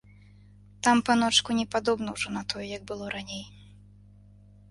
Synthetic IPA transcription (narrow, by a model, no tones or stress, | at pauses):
t̪ampanɔt͡ʂkunʲɛpad̪ɔbnɐwʐɔnɐt̪ʰɔjɛjɐɡ̚bɨlˠɔɾanʲej